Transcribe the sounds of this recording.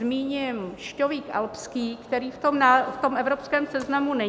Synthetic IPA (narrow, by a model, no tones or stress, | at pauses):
miːɲɪmʃcoviːkʔa̰lpskiːkt̪ɛɾiːft̪omnaft̪o̞mʔɛvɾopskɛːmsɛznamunɛ